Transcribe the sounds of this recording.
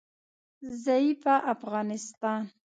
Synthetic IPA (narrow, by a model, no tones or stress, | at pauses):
zaipaʔafɣɑnɪst̪ɑn